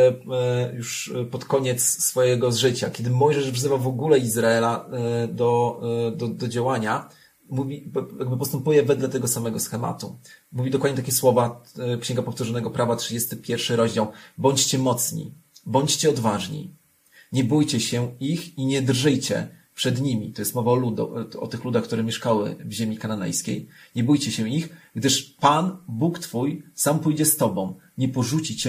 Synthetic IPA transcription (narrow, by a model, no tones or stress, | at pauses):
juʂpɔt̪kɔɲɛt̪ssːfɔjɛɡɔzʐɘt͡ɕa̰kʲjɛd̪ɘmɔjʐɛʂvʐzɘvavɔɡulɛizɾaɛlad̪ɔd̪ɔd̪ɔd͡ʑawaɲa | muvʲijaɡ̚bɘpɔst̪ɛmpujɛvɛd̪lɛt̪ɛɡɔsamɛɡɔsxɛma̰t̪umuvʲid̪ɔkwad̪ɲɛt̪akʲɛswɔvakɕɛ̃ŋɡapɔft̪uʐɔnɛɡɔpɾavatʂɘd͡ʑest̪ɘpʲjɛɾfʂɘɾɔʑd͡ʑawbɔɲt͡ɕt͡ɕɛmɔt̪sɲḭbɔɲt͡ɕt͡ɕɛɔd̪vaʐɲḭ | ɲɛbujt͡ɕɛɕɛixiɲɛd̪rʐɘjt͡ɕɛ̰pʂɛd̪ɲimʲit̪ɔjɛst̪mɔvaɔlud̪̰ɔ̰t̪ɘxlud̪axkt̪uɾɛmʲjɛʂkawɘ̰vʑemʲikananɛ̰jskʲḛjɲɛbujt͡ɕɛɕɛixɡd̪ɘʂpanbukt̪fujsampujd͡ʑɛst̪ɔbɔ̃w̃ | ɲɛpɔʐut͡ɕit͡ɕɛ